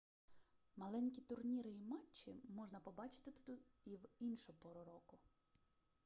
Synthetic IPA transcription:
mɐlˠɛnʲkʲit̪ʊrnʲiɾɪimɑt͡ʃːɪmɔʒnɐpɔbɑt͡ʃɪ̥t̪ɪt̪ut̪ʊiwinʃʊpɔɾʊɾɔkʊ

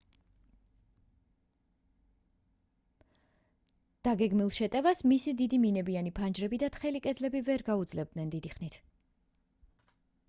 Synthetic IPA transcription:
d̪̥aɡɛɡmilˠʃɛt̪ʼɛvasmisid̪id̪iminɛbianipʰand͡ʒɾɛbid̪at̪ʰχɛlikʼɛd̪lɛbivɛɾɡaud̪zlɛb̚d̪nɛnd̪id̪iχnit̪ʰ

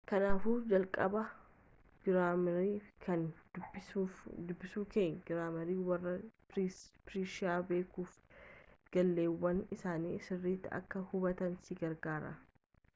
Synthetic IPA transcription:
kɐnaːfuːd͡ʒɐlkʼɐbɐ | ɡɪɾaːmɾiːkʰɐndbɪud̪ʊbːɪsuːkeːŋɡɪɾaːmɐɾiːwɐrːɐ | pɪɾiːʃɪaːbe̞ːkuːf | ɡ̥ɐlːe̞ːwːɐnɪsaːniːsɪrːiːt̪ːɪɐ̰kːɐhʊbɐt̪ɐnsɪɡɐɾɡaːɾɐ̰

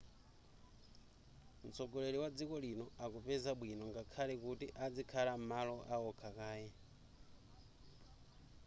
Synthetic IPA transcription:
m̩t͡sɔɡɔlɛliwad͡zikɔlinɔakupɛzaɓwinɔŋɡakʰalɛkutiʔad͡zikʰalamalɔʔaɔkʰakaːjɛ

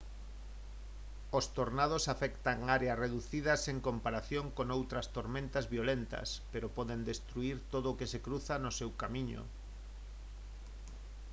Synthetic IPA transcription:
ost̪oɾnað̞osafɛkt̪aŋaɾeɐsreðuθiðɐseŋkompaɾaθjoŋkoŋowt̪ɾɐst̪oɾmẽnt̪azβiolent̪ɐ̰speɾopɔðend̪est̪ɾuiɾt̪oðoʊːkesekɾuθanosewkamiɲo̰

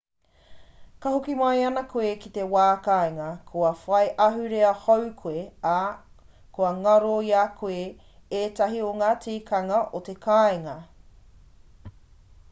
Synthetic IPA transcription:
kɐɦokimɐjɐnɐkʰoekit̪ewaːkaeŋɐkʰoɐfɐjʔɐɦʉɾeɐhowkʰoea | koɐŋɐɾoiakʰoe | eːtɐɦioŋaːtiːkʰɐŋɐʔot̪ekʰaːeŋɐ

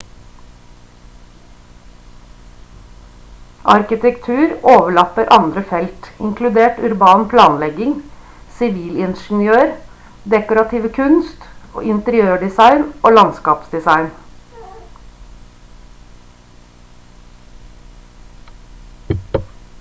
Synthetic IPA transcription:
ʔɑ̰ɾkɪt̪ʰɛkt̪ʰʉːɾoːʋəɭɑt̪əɾʔɑnd̪ɾəfɛlt̪ɪ̰ŋkʰlʉd̪eːʈʉɾbɑːnpʰlɑːnlɛɡɪŋ | sɪʋiːlɪnʃn̩jøːɾ | d̪ɛkʊɾɑt̪ʰiːʋəkʰʉnst̪o̰ːɪnt̪əɾɪøːɖɪsɑɪnoːlɑnskɑːpsd̪ɪsɑɪn

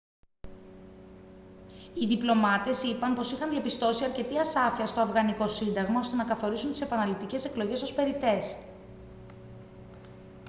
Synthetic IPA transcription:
iðiplo̞mɐt̪e̞sipɐnpo̞sixɐnðiɐpist̪o̞siɐɾce̞t̪iɐsɐfiɐst̪o̞ɐvɣɐniko̞sind̪ɐɣmɐo̞st̪e̞nɐkɐθo̞ɾisunt̪ise̞pɐnɐlit̪ice̞se̞klo̞ʝe̞so̞spe̞ɾit̪e̞s

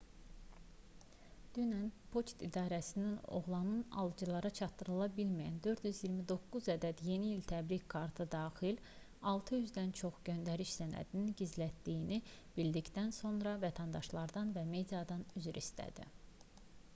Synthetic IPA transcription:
d̪̥ynænpʰo̞t͡ʃt̪id̪ɑːɾæsinino̞̰ʁlˠɑnɯnɑ̰lˠd͡ʒɯlˠɑɾɑt͡ʃʰɑt̪ːɯɾɯlˠɑbilmijæ̰nd̪ø̞ɾt̪jyzjiɾmid̪o̞kːuzæd̪æd̪je̞niːlt̪ʰæbɾickʰɑɾt̪ʰɯd̪ɑːxil | ɑlˠt̪ʰɯjyzd̪ænt͡ʃʰo̞χɟø̞nd̪æɾiʃsænæ̰d̪ininɟizlæt̪ːijinib̥ild̪ict̪ænso̞nɾɑvæt̪ʰænd̪ɑʃlˠɑɾd̪ɑnvæme̞d̪ijɑd̪ɑnyzyɾist̪æ̰d̪ḭ

